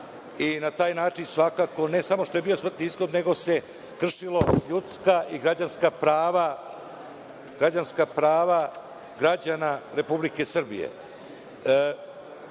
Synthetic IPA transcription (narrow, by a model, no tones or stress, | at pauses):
inat̪aːjnaːt͡ʃinsʋakako̞ne̞samo̞ʃt̪oe̞biːo̞smr̩t̪iizɡo̞d̪ne̞ɡo̞se̞ | kr̩ʂilˠo̞ʎut̪skaʔiɡɾad͡ʑanskapɾaːʋa | ɡ̥ɾad͡ʑanskapɾaːʋa | ɡɾad͡ʑanaɾe̞publike̞sr̩bḭjḛ